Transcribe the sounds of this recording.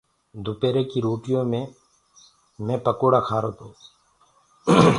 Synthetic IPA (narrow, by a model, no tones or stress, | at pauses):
d̪ʱʊpeːɾeːkiːɾoːʈɪjõːmẽː | mẽːpəkoːɽaːkʰaːɾoːt̪õː